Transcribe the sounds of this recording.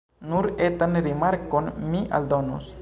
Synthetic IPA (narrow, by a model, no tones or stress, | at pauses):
nuɾet̪anɾimaɾkonmiʔa̰ld̪onṵs